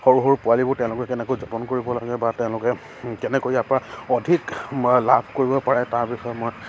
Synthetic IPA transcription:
xoɹuɦɔɹpʊalibʊɹtɛ̃ʊ̃lʊkɛkɛnɛkojzɔpɔnkoɹibɔlaɡɛbatɛʊ̃lʊkɛ | kɛnɛkojapaɔdʱiklabʰʱkoɹibɔpaɹɛtaɹpixɔjɔmɔj

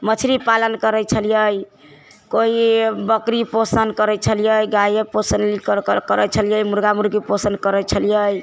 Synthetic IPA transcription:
mət͡ʃʰɾipalənkəɾət͡ʃʰəlijəj | koibəkɾiposənkəɾɛt͡ʃʰəlijəjɡajeposənkəɾət͡ʃʰəlijəjmuɾɡamuɾɡiposənkəɾət͡ʃʰəlijəj

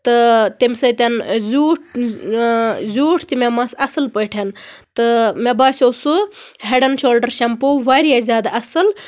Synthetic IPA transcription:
t̪ɨt̪imʲsɐt̪ʲɐnzuːʈ̚ʰ | zuːʈʰt̪imemɐsɐsɨlpəjʈʰent̪ɨmebaːsʲosuɦeɖɐnʃoːlɖɐɾʃɐmpoʋaːɾijazʲaːd̪aʔɐsɨl

